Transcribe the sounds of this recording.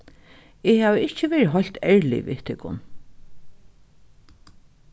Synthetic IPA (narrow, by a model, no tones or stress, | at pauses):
ɪhæːʋəɪhcəʋɛːɹɦɔl̥t̪ɛɹlɪ̰ʋḭːt̪ʰɪkːʊ̰n